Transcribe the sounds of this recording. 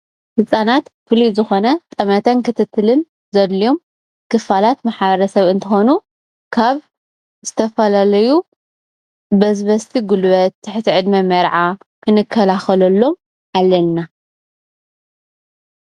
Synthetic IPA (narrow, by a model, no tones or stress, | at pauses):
hɨsʼanat̪fɨlizɨxo̞nɐt̪ʼɐmɐt̪ʰɐnkɨt̪ʰɨt̪ʰːɨlɨn | zɐd̪lio̞m | kʰɨfalat̪maħaβɐɾɐsɐβɨnt̪ʰɨxo̞nu | kʰaβ | zɨt̪ʰɐfɐlalɐju | bɐzbɐst̪ʰiɡulβɐt̪̚ʰːɨħt̪ʰiʕɨd̪mɐmɐɾʕa | kʰɨnɨkʰːɐlaxɐlɐlːo̞m | ʕalːɐlna